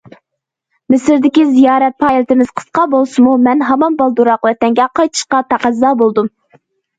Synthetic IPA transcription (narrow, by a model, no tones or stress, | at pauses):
mɪsɪɾd̪ɪkʲizijɑːɾɛt̪̚pʰɑːjilt̪ɪmɪzqʰə̥sqɑbolˠsɨmumɛnɦɑmɑnbɑlˠd̪uɾɑqlɛt̪ɛŋɡʲɛqʰɑjt̪ʰɨ̥ʃqɑt̪ʰɑqæzːɑːbolˠd̪um